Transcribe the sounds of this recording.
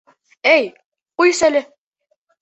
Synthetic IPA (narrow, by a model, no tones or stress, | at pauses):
æj | qujsælɘ